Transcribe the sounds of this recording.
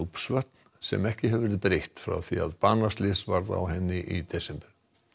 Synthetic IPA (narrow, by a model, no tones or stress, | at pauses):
upsvœht̪̚n | sɛ̰mɛhcɪɦɛvvɛɾɪðpɾejht̪fɾa̰wθia̰ðpanːast̪lɪsvaɾða̰whɛnːɪʔit̪ɛsɛmpɛɾ̥